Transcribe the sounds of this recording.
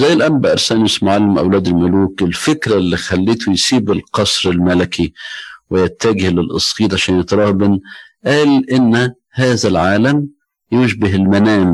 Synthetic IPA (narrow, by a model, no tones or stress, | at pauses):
zæjːɪlʔæmbaʔɑɾˤsæːnɪsmʊʕalːɪmʔa̰wlæːd̪ɪlmʊluːkʔɪlfɪkɾalːiːxælːeːt̪ʊjsiːbɪlqɑsˤɾɪlmælɪkʰiwɪjat̪ːæɡɪhlɪlʔɑ̰sˤqiːt̪ʕaʃæːnjɪt̪ɾˤɑːhbɪn | ʔæːlʔɪnː | haːðælʕaːlam | jʊʒbɪɦɪlmænæːm